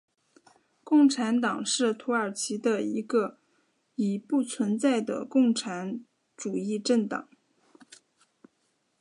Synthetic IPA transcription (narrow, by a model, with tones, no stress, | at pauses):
kʊ˥˩ŋʈ͡ʂʰa˧˥nt̪ɑ˨˩ŋʂɻ̩˥˩t̪ʰu˧˥ə˞˨˩t͡ɕʰi˧˥d̪ə˧i˧˥ɡə˧ | i˨˩pu˥˩t͡sʰwə˧˥nt͡sa˥˩ɪd̪ə̰˩kʊ˥˩ŋʈ͡ʂʰa˧˥n | ʈ͡ʂu˨˩i˥˧ʈ͡ʂə˥˩nt̪ɑ̰˨˩˦ŋ